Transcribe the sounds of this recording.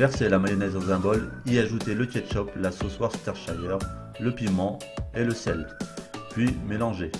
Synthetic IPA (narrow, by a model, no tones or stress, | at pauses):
vɛʁselamajɔnɛzõsɛ̃bɔliaʒut̪eləkʲɛt̪ʃɔplasoswaʁst̪ɛʁʃajœʁ | ləpimɑ̃ | eləsɛld̪pɥimelɑ̃ʒe